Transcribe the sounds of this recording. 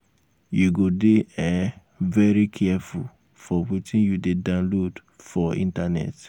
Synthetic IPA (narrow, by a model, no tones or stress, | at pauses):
juɡodeɛ̃ | vɛɹikʰɛɛful | fɔwitʰĩnjudedãnlod | fɔḭ̃ntanɛ̰t